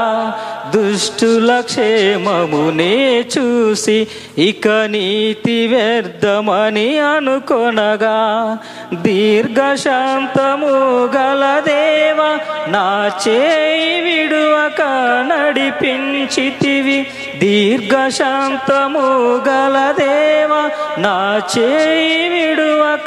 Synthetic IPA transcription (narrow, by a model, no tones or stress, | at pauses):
d̪uʂʈulɐkʂemɐmunet͡ʃusi | ikɐniːt̪iʋeɾd̪ɐmɐniɐnukonɐɡa | d̪iːɾɡɐʂaːnt̪ɐmuɡɐlɐd̪eːʋɐnaːt͡ʃeːjiʋiɽuʋɐkɐnɐɽipiɲt͡ʃit̪iʋi | d̪iːɾɡɐʂaːnt̪ɐmuɡɐlɐd̪ɛːʋɐnaːt͡ʃejiʋiɽuʋɐk